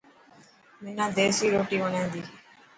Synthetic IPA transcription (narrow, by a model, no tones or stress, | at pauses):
mɪnãːd̪eːsiːɾoːʈiːʋəɳẽːnd̪iː